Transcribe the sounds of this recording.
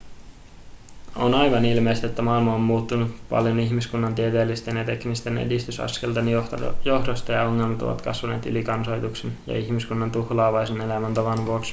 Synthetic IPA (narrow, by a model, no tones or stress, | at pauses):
onɑjʋɑnilme̞jst̪et̪ːæmɑilmɑomːuːt̪ːunupɑ̰ljoniçmiskunːɑnt̪iet̪eːlːist̪e̞njɑt̪e̞knist̪e̞nḛdist̪ysɑ̰ske̞lt̪enjo̞hdost̪ɑjɑo̞ŋːe̞lmɑt̪oʋɑ̰t̪kɑsʋɑne̞ːt̪y̰likɑnso̞jt̪uksenjɑ̰içmiskunːɑnt̪uhlɑːʋɑjsene̞læmænt̪oʋɑnʋuoks